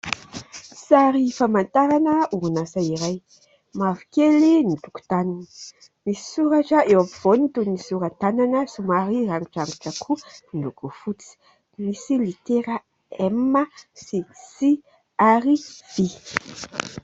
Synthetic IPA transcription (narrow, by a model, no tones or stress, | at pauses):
saɾifamant̪aɾanəuunasaiɾaj | mavikelinit̪uku̥t̪ananə̥ | misi̥suɾaʈ͡ʂəewapiv̥onit̪unisuɾat̪ananəsumaɾiraŋuʈ͡ʂaŋuʈ͡ʂəkʰunilukufut͡si̥ | misilit̪eɾa | ɛməsisi | ariv̥i